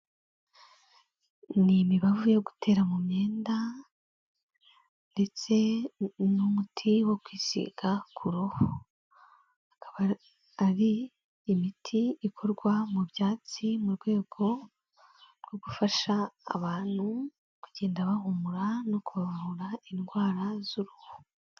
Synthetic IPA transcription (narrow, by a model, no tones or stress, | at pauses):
nimiβavujo̞ɡu̥tʰe̞ːɾamumɲe̞ːnda | nde̞t͡se̞numutʰiwo̞kwiːsḭɡakʰuɾoho | akaβa | aɾiː | mitʰiːkʰo̞ɾɡwamuβjaːt͡simuɾɡwe̞ːɡ̥o̞ | ɾɡ̥o̞ɡufaʃa̰ːβaːn̥hu | kuɟe̞ːndaβahumuɾano̞kuβaβahuɾainɡwaːɾazuɾoho̥